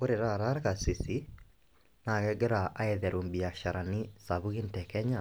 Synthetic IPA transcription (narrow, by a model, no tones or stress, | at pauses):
oɾeɾaɾaɾɣasisi | naɣɛɡɛɾaʔaeðɛɾoːmbiaʃaɾanisaβuɣintɛkɛɲa